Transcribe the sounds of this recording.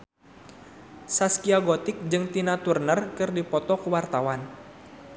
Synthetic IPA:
saskiaɡɔt̪ɪk̚d͡ʒɨŋt̪inat̪urnərkɨrdipɔt̪ɔkuwart̪awan

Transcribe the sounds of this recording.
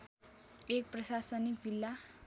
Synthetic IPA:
ek̚prʌsasʌnikd͡zilːa

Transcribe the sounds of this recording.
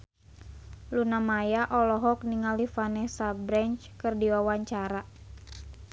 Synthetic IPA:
lunamajaʔɔlɔɦɔk̚niŋalifanɛsabɾɛɲt͡ʃkɨrdiwawaɲt͡ʃaɾa

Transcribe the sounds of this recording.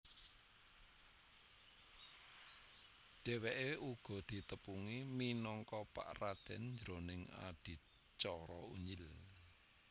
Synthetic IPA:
ɖ̥ɛ̤weʔeuɡ̥ɔ̤d̪̥i̤t̪əpuŋiminɔŋkɔpa̰ʔrad̪̥ɛ̤nɲd͡ʒɾonɪŋa̰ɖ̥i̤ | t͡ʃɔɾɔṵɲɪl

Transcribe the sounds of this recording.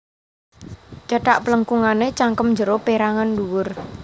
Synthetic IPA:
d͡ʒaʈaʔpələŋkuŋanet͡ʃaŋkəmɲd͡ʒəɾopeɾaŋanduwʊr

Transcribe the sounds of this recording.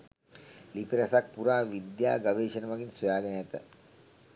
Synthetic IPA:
lipiɾɐsak̚puɾaːʋid̪jaːɡaʋeːʃənəʋaɡinsojaːɡənəjat̪ə̰

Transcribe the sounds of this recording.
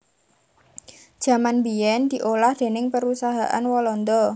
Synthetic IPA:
ʒ̥ä̤manbiɛnd̥̪iʔolahd̪̥e̤nɪŋpəɾusaɦaʔa̰nwɔlɔnd̪ɔ

